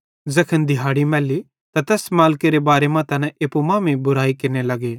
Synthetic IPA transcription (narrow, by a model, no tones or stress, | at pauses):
zɐkʰənd̪ʱɪɦaːɽimɛːli | t̪ãt̪ɛːsmaːlkeɾebaːɾemãt̪ʰɐnɛ̃ʔepumãːmẽbʊɾaːikɪɾnelɐɡeː